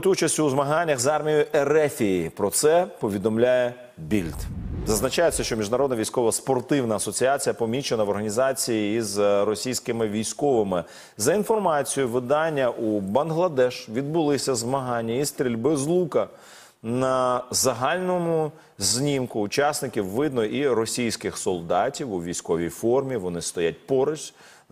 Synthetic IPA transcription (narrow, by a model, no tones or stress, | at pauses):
ʊt̪ɔjʊt͡ʃɐsʲtʲuːzmɐɦɑnʲːɐɣzɑrmʲijʊjʊʔɛɾɛfʲijipɾɔt̪sɛpɔʋʲid̪ɔmlʲajɛ | bʲilʲt̪zɐznɐt͡ʃajesʲːɐʃt͡ʃɔmʲiʒnɐɾɔd̪nɐʋʲijsʲkɔʋɐspɔrt̪ɪwnɐːsɔt͡sʲiat͡sʲijɐpɔmʲit͡ʃenɐʋɔrɦɐnʲizɑt͡sʲijiːzrɔsʲijsʲkɪmɪʋʲijsʲkɔʋɪmɪ | zɐinfɔrmɑt͡sʲijʊʋɪd̪ɑnʲːɐʔubɐnɦlˠɐd̪ɛʃʋʲid̪̚bʊlˠɪsʲɐzmɐɦɑnʲːɐist̪ɾʲilʲbɪzlˠukɐ | nɐzɐɦɑlʲnɔmʊ | zʲnʲimkʊːt͡ʃɑsnɪkʲiwːɪd̪nɔʔiɾɔsʲijsʲkɪxsɔlˠd̪ɑtʲiwuʋʲijsʲkɔʋʲijfɔrmʲiʋɔnɪst̪ɔjat̚ʲpɔɾɪʃ